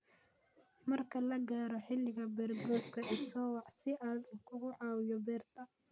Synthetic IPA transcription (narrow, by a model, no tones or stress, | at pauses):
mɐrkʰɐlɐɡaːɾɔħɪlːɪɣɐbɛːrɡɔːskʰɐʔɪsɔːwɑʕsɪʔaːd̪kʰʊɣʊʕɑːwɪjɔbɛːrt̪ʰɐ